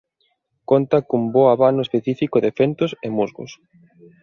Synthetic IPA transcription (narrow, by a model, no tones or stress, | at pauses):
kont̪akumboaβanʊespeθifikoðefent̪ʊsemuzɣʊ̰s